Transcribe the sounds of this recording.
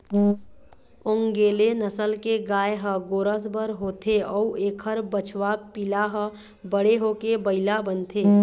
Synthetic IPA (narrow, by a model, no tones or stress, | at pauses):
ʊ̃ŋɡeːlenəsəlkeɡaːeɦəɡoːɾəsbəɾɦoːt̪ʰeɔːueːkʰəɾbət͡ʃʰwapilaɦə | bəɽeɦokebəɪlabənt̪ʰeː